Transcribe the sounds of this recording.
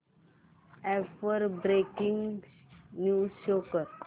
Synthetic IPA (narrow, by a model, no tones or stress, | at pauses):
ɛfəɾbɾekĩŋ | nuʃokəɾ